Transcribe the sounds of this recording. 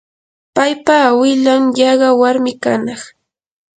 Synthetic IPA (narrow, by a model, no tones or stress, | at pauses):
pajpawɪʎamjɑɢɑwaɾmɪkanɑχ